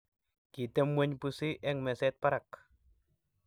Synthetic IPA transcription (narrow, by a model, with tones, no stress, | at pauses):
ki˨te˦mwe˦ɲpu˧si˦ʔɛ˦ŋmɛ˨sɛ˦t̪̚pa˦ɾak